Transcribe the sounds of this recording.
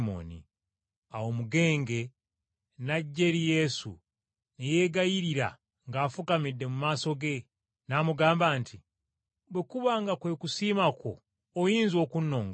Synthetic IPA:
mo̰nḭ | awo̞muɡe̞ːŋɡe̞ | naɟːe̞ɾije̞sṵ | neje̞ːɡajiɾiɾa̰ | ŋɡaːfukamidːe̞mumaːso̞ɡe̞ | namuɡaːmbaːnti | bwekuβaŋɡakwe̞kusiːmakʰo̰ː | jiːnzio̞ːkunːo̞ːŋɡa

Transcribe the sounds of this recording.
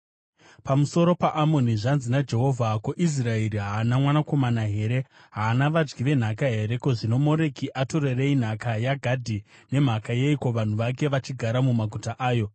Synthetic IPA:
pamuso̞ɾo̞paʔamo̞niʐanzinad͡ʒe̞ɦo̞vʱakoʔis̬rae̞ɾiɦaːnamwanako̞manaɦe̞ːɾe̞ | ɦaːnaʋad͡ʒɡiʋe̞n̤akaɦe̞ɾe̞koʐino̞mo̞ɾe̞kiʔato̞rerein̤akajaɡʱadʱi | ne̞m̤akaje̞iko̞ʋan̤uʋake̞ʋat͡ʃiɡʱaɾamumaɡʱutaʔaːjo̞

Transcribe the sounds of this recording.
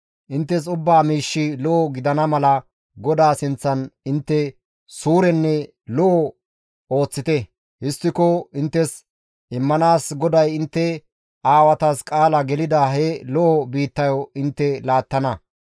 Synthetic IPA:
ʔɪnt̪ːɛs̬ʊbːaːmiːʃːɪlɔʔːɡɪd̪ɐnɐmɐlɐ | ɡɔd̪aːsɪnt͡sːɐnɪnt̪ːɛ | suːɾɛnːɛ | lɔʔɔ | o̞ːt͡sːɪt̪ɛ | hɪst̪ːɪkɔɪnt̪ːɛs | ʔɪmːɐnaːsɡɔd̪ɐjɪnt̪ːɛ | ʔaːwɐt̪askʼaːlɐɡɛlɪd̪aɦɛlɔʔɔbiːt̪ːɐjɔɪnt̪ːɛlaːt̪ːɐnɐ

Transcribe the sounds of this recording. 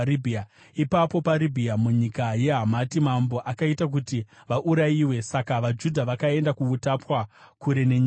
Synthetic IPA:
ibʱia | ipapo̞paɾibʱiamuɲikaje̞ɦamatimambo̞ʔakaitak̬uti | ʋaʔuɾajiwe̞sakaʋad͡ʒudʱaʋakae̞ndakuutapwa | kuɾe̞neɲ

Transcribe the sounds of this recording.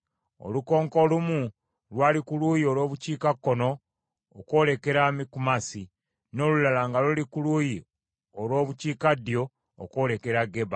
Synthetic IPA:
o̰luko̞ːŋko̞lumu | lwaːlikulujio̞lwo̞ːβuciːkakːo̞no̞ː | kwo̞ːle̞ke̞ɾamikumasi | no̞ːlulalaŋɡalulikuluːji | olwo̞ːβuciːkad̪jo̞̰ː | kwo̞ːle̞ke̞ɾaɡe̞βa

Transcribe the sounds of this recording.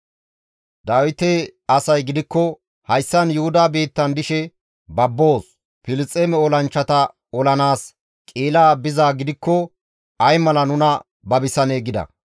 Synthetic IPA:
d̪aːwɪt̪eɐsɐjɡɪd̪ɪkːɔ | hɐjsːɐnjʊhʊd̪aːbiːt̪ːɐnd̪ɪʃɛ | bɐbːo̞ːs | pɪlɪt͡sʼːeːmɛɔlɐnt͡ʃːɐt̪ɐ | ɔlɐnaːs | kʼeːlaːbɪzaːɡɪd̪ɪkːɔ | ɐjmɐlɐnʊnɐ | bɐbɪsɐneːɡɪd̪ɐ̰

